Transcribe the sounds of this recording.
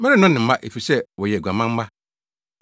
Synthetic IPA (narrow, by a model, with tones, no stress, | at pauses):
mɛ̃˦ɾɪ̃˦nʊ̃˦nɪ̃˨m̩˨˦mã˦ʔe˨fi˨sɛ˦wɔ˨jɛ˨ɡʷu˨a˨mã˦m̩˦ma˦